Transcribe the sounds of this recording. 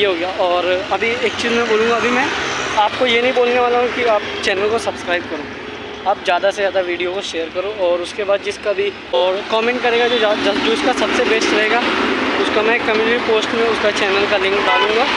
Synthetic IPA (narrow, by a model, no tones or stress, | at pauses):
jeɦoːɡjaːʔɔːɾɐbʱieːkt͡ʃiːzmɛ̃boːlũːɡaɐbʱimɛ̃aːp̚kojenɐɦĩboːlneʋaːlaɦũkiaːp̚t͡ʃɛːnəlkosɐbskɾaːɪb̚kɐɾõː | aːp̚zjaːd̪asezjaːd̪aʋiːɖijokoʃeːəɾkɐɾoːɔːɾʊskebaːd̪̚d͡ʒɪskabʱi | ɔːɾkɔːmɛ̃ːɳʈ̚kɐɾeːɡad͡ʒoad͡ʒoːʊskasɐbsebeːsʈɾɐɦeːɡaːʊskamɛ̃kɐmĩd͡ʒbipoːsʈmẽʊskat͡ʃɛːnəlkalɪ̃ŋkɖaːlũːŋɡaː